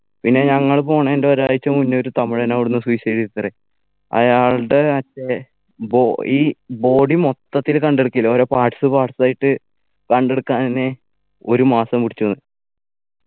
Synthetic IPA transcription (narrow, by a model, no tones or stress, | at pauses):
pinːe̞ɲɐŋːɐɭpo̞ːɳeendeoɾaːjit͡ɕːɐmunːo̞ɾut̪ɐmiɭɐnaːʋiɽunːɨswuisɐɾiit̪ːɐre | ɐ̰jaːɭɽeɐt͡ɕːe | boiːbo̞ːɽimo̞t̪ːɐt̪ːilkɐɳɖe̞ɽukːilːɐoːɾopaːʈsɨpaːʈsaːjiʈːɨ | kɐɳɖe̞ɽukːaːnne | o̞ɾumaːsɐmpuʈit͡ɕːuɐnːɨɨ